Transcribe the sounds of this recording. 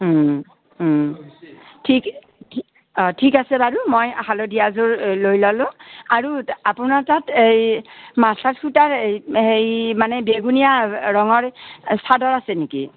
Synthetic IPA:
tʰik | tʰi | ɔtʰikasɛbaɹumojahalodijazʊɹlojlɔlʊ̃aɹuapunaɹtatejmasatkutaɹejejmanɛbeɡunijaɹɔŋɔɹsadɔɹasɛneki

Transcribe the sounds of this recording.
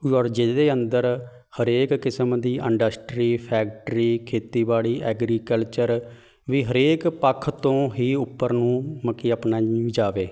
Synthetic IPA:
ɔːɾd͡ʒɪd̪eːənd̪əɾ | həɾeːkːɪsəmd̪iːʔɪɳɖəsʈɾiːpʰɛːkʈɾiːkʰeːt̪iːbaːɭiːʔɛːɡɾiːkəlt͡ʃəɾ | ʋiːɦəɾeːkpəkʰːt̪õːɦiːʊpːəɾnũːməkiːəpnaːid͡ʒaːʋeː

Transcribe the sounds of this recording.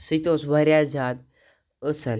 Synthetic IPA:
sit̪osbaɾjad͡ʑad̪ | əsəl

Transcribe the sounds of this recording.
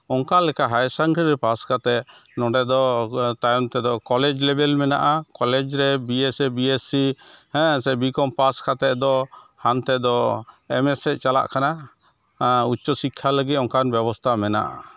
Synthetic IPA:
ɔŋkalɛkaɦajsaŋɡɾiɾɛpaskat̪ɛʔ̚ | nɔɖɛd̪ɔt̪ajɔmt̪ɛd̪ɔkɔlɛd͡ʒlɛbɛlmɛna̰ʔakɔlɛd͡ʒɾɛbiɛsɛbiesihɛ̃sɛbikɔmpaskat̪ɛʔd̪ɔhant̪ɛd̪ɔ | ɛmɛsɛʔ̚t͡ʃala̰ʔkʰana | utːt͡ʃɔsikʰːaləɡit̪ɔŋkanbɛbɔst̪ʰamɛna̰ʔa̰

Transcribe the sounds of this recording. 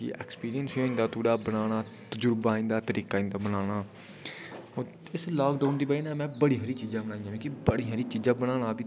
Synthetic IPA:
ḭːɛ̰ːkspiːɾijənsioːĩnd̪aːt̪uːɽaːbəñaːɽ̃aː | t̪əd͡ʒʊɾbaːĩnd̪aːt̪əɾiːkaːĩnd̪aːbənaːɽ̃aː | oː | ɪslɔːkɖaːʊnd̪iːbaiːnaːmɛ̃ːbəɽiːɦəɾiːt͡ʃiːzãːbəñaːĩjãːkĩːkibəɽiːɦəɾiːt͡ʃiːzãːbəɽ̃aːɽ̃ãːbiː

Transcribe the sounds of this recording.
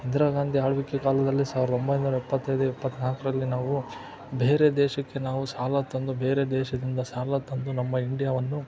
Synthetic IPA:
ind̪ɾaːɡaːnd̪ʱiaːɭʋikːekaːlɐd̪ɐlːisaːʋiɾɐd̪ɐo̞mbɐjnuːɾɐipːɐt̪ːɐjd̪uɛpːɐt̪ːnaːkɐɾɐlːinaːʋu | beːɾe̞d̪ɛːʃɐkːe̞naːʋusaːlat̪ɐnd̪ube̞ːɾe̞d̪ɛːʃɐd̪ind̪ɐsaːlat̪ɐnd̪unɐmːɐiɳɖijaːʋɐnːu

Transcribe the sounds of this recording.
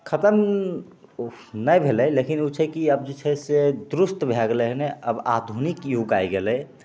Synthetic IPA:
kʰət̪əm | nəjbʱeləjlekinut͡ʃʰəjkiəbd͡ʒit͡ʃʰəsed̪ɾust̪bʱɛɡleɦneə̰bad̪ʱunikjuɡajɡelɛj

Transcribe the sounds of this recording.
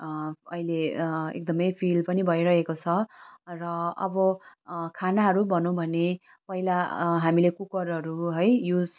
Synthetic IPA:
ʌ̰ileḛk̚d̪ʌmʌjpʰilpʌnibʱʌjɾʌɦekot͡sʰʌrʌʌ̰bʌkʰanaɦʌɾubʱʌnõbʱʌne | pʌilaɦamilekukʌɾɦʌɾuɦʌjjud͡z

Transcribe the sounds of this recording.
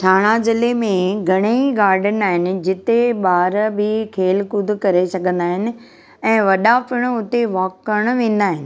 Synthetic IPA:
ʈʰaːɽ̃azɪlemẽɡʱɐɽ̃eiɡaːɾɖənaːɦɪnɪ̆d͡ʑɪt̪eɓaːɾbʱɪkʰeːlkʊd̪ʱʊkɐɾesɐɡʱə̃nd̪aːɦɪnɪ̆ | ɛ̃ːʋɐɗafɪɽ̃ʊt̪eʋaːkːəɽ̃ʋẽːn̆d̪aːɦɪnɪ̆

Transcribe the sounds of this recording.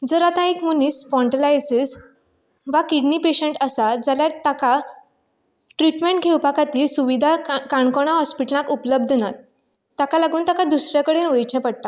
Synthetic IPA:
d͡zəɾat̪ãekmuniːsfɔɳʈəlajsis | ʋakiɽnipeɕeɳʈəsad͡zaljaɾt̪aka | ʈɾiʈmẽɳʈɡʱewpakat̪iːlsuʋid̪ʱakaɳkɔɽ̃aɦɔspiʈəlãkupləb̚d̪ʱnat̪ː | akalaɡuːnt̪akad̪usɾjakəɽeːnʋəjt͡ɕɛ̃pəɽt̪a

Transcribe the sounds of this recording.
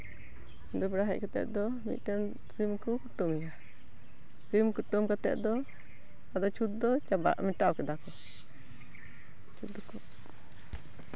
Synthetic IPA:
ind̪ɔbɛɽaɦa̰c̚kat̪ɛ̰ʔ̪̚d̪ɔ | mḭt̪̚ʈɛn | simkukuʈumiɲa | simkuʈumkat̪ɛ̰ʔ̪̚d̪ɔ | ad̪ɔt͡ʃʰut̪̚d̪ɔt͡ʃaba̰ʔmiʈawkɛd̪akɔ | t͡ʃʰut̪ːɔkɔ

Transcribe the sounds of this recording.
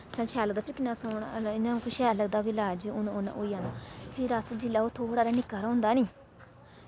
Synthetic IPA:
sə̃nʃʰɛːləd̪aːpɪɾkɪnːãːsoːɳɪnãkʊʃɛːləɡd̪aːbiːlaːd͡ʒiʊnʊn̰ʔoːiãːnaːpʰɪɾəsd͡ʒɪlːaːoːt̪ʰoːɽaːɾaːnɪkːaːɾaʊ̃nd̪aːnĩː

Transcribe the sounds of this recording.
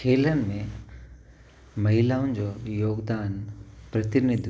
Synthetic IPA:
kʰeːlənɪ̆mẽ | mɐɦilaːʊ̃nɪ̆d͡ʑoːjoːɡd̪aːnpɾɐt̪ɪnɪd̪ʱ

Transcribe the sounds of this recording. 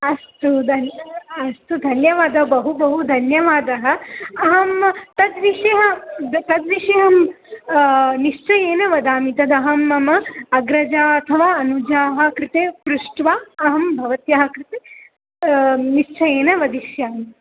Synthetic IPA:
ɐst̪ud̪ʱɐnɐst̪ud̪ʱɐnjɐʋaːd̪ɐɦɐbɐɦubɐɦud̪ʱɐnjɐʋaːd̪ɐɦɐ̆ɐɦɐmt̪ɐd̪ʋiʂɐɦɐt̪ɐd̪ʋiʃɐɦɐm | niʂt͡ʃɐjeːnɐʋɐd̪aːmit̪ɐd̪ɐɦɐmːɐmɐɐɡɾɐd͡ʒaːɐt̪ʰɐʋaːɐnud͡ʒaːɦɐ̆kɾɪt̪eːpɾuʂʈʋaːɐɦɐmbʱɐʋɐt̪jaːɦɐ̆kɾɪt̪e | niʂt͡ʃɐjeːnɐʋɐd̪iʃjaːmi

